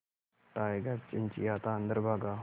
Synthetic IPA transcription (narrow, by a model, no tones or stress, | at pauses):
ʈajɡast͡ɕint͡ɕiːat̪aːnd̪əɾbʱaɡa